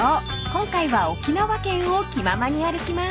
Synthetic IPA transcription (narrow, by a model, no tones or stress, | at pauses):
o | kõ̞ŋkaiβao̞kʲinaβakẽ̞ɰ̃okʲimamaɲ̟iaɾɯ̟kʲima